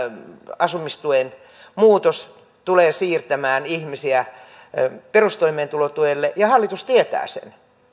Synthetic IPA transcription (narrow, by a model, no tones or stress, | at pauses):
ɑsumist̪uen | muːt̪os | t̪uleːsiːrt̪æmæːnihmisiæ | perust̪oimeːnt̪ulot̪uelːejɑhɑlːit̪ust̪iet̪æ̰ːsḛn